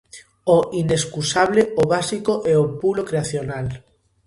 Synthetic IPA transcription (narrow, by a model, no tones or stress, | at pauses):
oʔineskusaβleoβasikoʔɛopulokɾeaθjonal